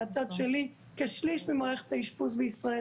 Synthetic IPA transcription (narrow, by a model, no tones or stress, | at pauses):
at͡sadʃɛli | keʃliʃvimaʁɛχe̥t̪aiʃpus̬bəisʁae